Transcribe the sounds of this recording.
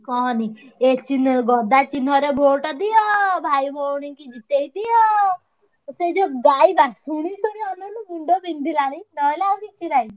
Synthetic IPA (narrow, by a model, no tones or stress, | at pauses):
kɔ̃niːet͡ʃinɡɔːd̪aːt͡ʃinɔːɾebʱoːʈəd̪iɔbʱaːimoːɾnɪ̃ŋkid͡ʒɪt̪eid̪iɔ | seːd͡ʒoːɡaːibasuɽiːsʊɽiɔnãnũːmɪɳɖoːbĩnd̪ilaniːnɔlaːsiːt͡ʃilaːi